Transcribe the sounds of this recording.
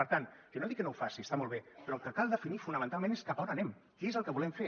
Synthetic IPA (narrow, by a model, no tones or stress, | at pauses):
əɾt̪ankənoðikːənowfasiəst̪amolˠβepɾɔlˠkəkalˠd̪əfinifunəmənt̪alˠmẽneskapɔnənɛm | keezəlˠkəβulɛmfe